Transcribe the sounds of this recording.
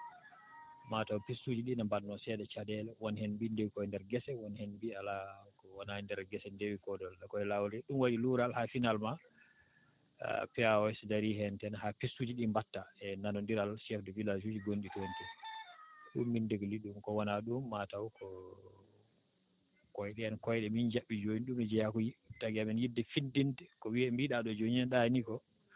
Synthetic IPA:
matawpisːuːd͡ʒiɗinambanːɔsɛːɗɛt͡ʃadɛlɛwɔnhɛnbindewikɔɛndɛɾɡɛsɛwɔnhɛnbialakɔwanandɛɾɡɛsɛndewikɔdɔlɗakɔɛlawɾɛɗumwaɗiluɾalhafinalma | pɛaɔɛsdaɾiɦɛntɛnhapisːud͡ʒiɗimbatːaɛnanondiɾalʃɛfdɛvilad͡ʒud͡ʒiɡonɗitontɛ | ɗṵmːindeɡliɗumkɔwanaɗumːatawkʰɔ | kɔjɗɛɛnkɔjɗɛmind͡ʒaɓːid͡ʒoɲiɗumɛd͡ʒɛjakujitaɡiamɛnjidːɛfindintɛkɔwiɛmbiɗaɗɔd͡ʒoɲiɛnɗanikɔ

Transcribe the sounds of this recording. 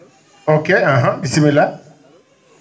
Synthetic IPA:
okeãɦãbisimela

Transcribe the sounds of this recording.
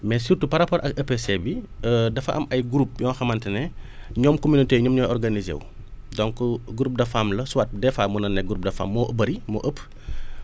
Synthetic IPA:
mɛsirtupɐɾɐpɔɾʔɐkɐpesebi | dɐfɐʔɐ̰mɐjɡuɾup̚jɔːnxɐmɐntɛnɛɲɔːmkɔminiteːɲɔmɲɔːjɔrɡanizḛːw | dɔŋkuɡuɾup̚dɐfamlɐsuwat̚dɛfaːmunɐnːɛɡuɾup̚dɐfa̰mːɔʔəbɐɾimɔ̰ʔəpː

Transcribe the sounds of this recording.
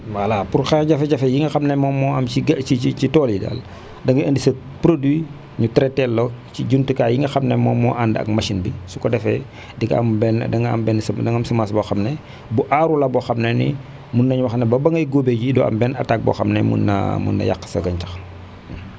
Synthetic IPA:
wɐlapuɾxɛɟɐfɛɟɐfɛjiŋɡɐxɐmnɛmɔmːɔɐmiiit͡ʃitɔːlida̰ːl | dɐŋɡɐəndisɐ | pɾodwi | ɲutɾɛtɛlːot͡ʃiɟuntukaːjiŋɡɐxɐmnɛmɔːmɔːʔandɐ̰k̚maʃinbisu̥kɔdɛfɛ̰ | dikɐ̰mbɛndɐŋɐ̰mbɛnsdɐŋɐmsɐmaːsbɔxɐmnɛ | buʔaɾulɐbɔxɐmnɛnḭ | munːɐɲuwɐxɐnɛbɐbɐŋɡɐjɡoːbeɟidɔ̰ːɐ̰mbɛːnɐ̰taːk̚bɔ̰ːxɐmnɛmṵnːɐ̰mṵnːɐ̰ja̰kːə̥sɐɡɐɲt͡ʃɐ̥x

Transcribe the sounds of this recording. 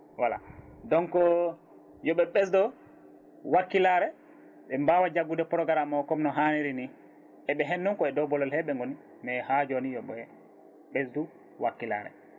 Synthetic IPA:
wala̰dɔnkɔ | jɔɓɛɓɛsdɔ | wakːilaɾɛ | ɓɛmbawad͡ʒaɡudɛpɔɾɔɡaɾamːakɔmnɔɦaniɾini | ʔɛɓɛɦenːumkɔɛdɔbɔlɔlhɛɓɛŋɡoni | mɛhad͡ʒonijɔɓɛ | ɓesdu | wakːila̰ɾɛ̰

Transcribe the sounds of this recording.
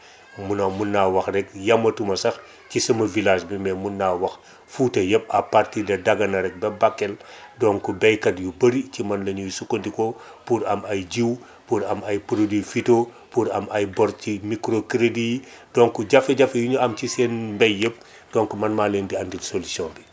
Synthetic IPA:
munɐmunːawɐxrɛk̚jɐmːɐtumɐsɐx | cisɐmɐvilaːʃbimɛmunːawɐx | futɐjəp̚ɐpartidɐdaɡɐnɐɾɛk̚bɛbakːɛldɔŋkubɛjkɐdjubəɾicimɐnlɐɲujsukːondiko | puɾɐmɐjɟiw | puɾɐmɐjpuɾodifito | puɾɐmajbɔɾcimikɾokɾedidɔŋkuɟɐfeɟɐfejuɲuɐmcisɛnmbɛjjəp̚ | d̥ɔŋkumɐnmaːlendiɐndilsolusiɔ̃nbi

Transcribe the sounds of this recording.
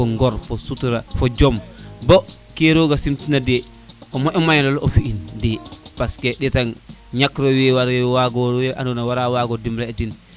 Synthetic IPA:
ɔŋɡɔɾfɔsutuɾafɔd͡ʒɔmbɔ | keɾoɡasimtinadɛ | ɔmɔʔɔmajnalɔfiʔindɛpaskɛɗɛtanɲakɾɔwɛwaɾɛwaɡɔɾɛʔa̰nunawaɾawaɡɔdimlaɛdin

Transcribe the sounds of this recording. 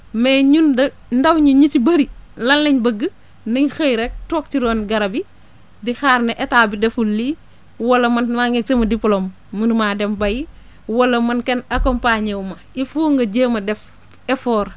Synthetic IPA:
meɲundɐ | ndɐwɲuɲitibɐɾilɐnlleɲbɐɡːə | niɲxɐjɾek̚toːk̚tiɾɔːnɡɐɾɐbi | dixaːɾneʔetaːbidɛfulːiː | wɐlɐmɐnmaŋek̚semɐdipulomː | unmaːdembɐji | wɐlɐmɐnkenɐkompaːɲewmɐ | ifuːŋɡɐɟəːmɐdɛf | efɔːɾ

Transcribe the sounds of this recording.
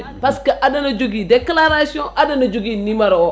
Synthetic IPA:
paskeʔadanad͡ʒoɡideklaɾasiɔ̃ʔadanad͡ʒoɡinĩmaɾaɔ

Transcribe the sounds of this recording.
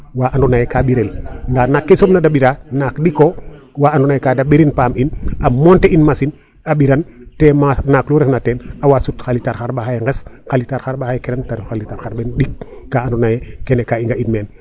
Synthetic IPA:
waʔandunajekabiɾelndaːnakːesobnadabiɾanakdiko | waandunajkadabiɾinpaːminamonteinmasin | abiɾantemanakluɾesnatenawasutxalitaɾxaɾbaxajeŋɡesxalitaɾxaɾbahajekeɾantaɾifxalitaɾxaɾbendikːaandunajekenekaiŋɡaitmeːn

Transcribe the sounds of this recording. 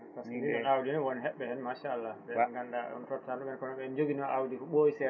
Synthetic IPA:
paskniɛnawdinɛwɔnɦɛɓːɛhɛnmaʃaːlːabɛnɡandaɔ̰ntɔptandɔɓɛnkɔnɔɓɛɛnd͡ʒoɡinɔʔawdikɔɓojsɛ

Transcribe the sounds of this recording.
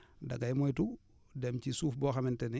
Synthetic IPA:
dɐɡajmɔjtu | dɛmcisuːfbɔːxamɛntɛni

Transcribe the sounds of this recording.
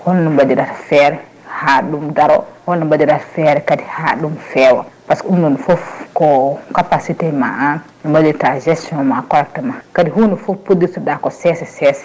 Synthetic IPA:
wɔlnubadiɾaɾfɛɾɛ | haɗumdaɾɔ̰wɔlːubadiɾaɾfɛɾɛkadihaɗumfɛwɔ̰paskɔumɗunfofkɔkapasitɛma̰an | numbadiɾtad͡ʒɛstiɔnmakɔɾɛk̚tɛmakadiɦuːnufofpːodisudakɔsɛsɛsɛsɛ̥

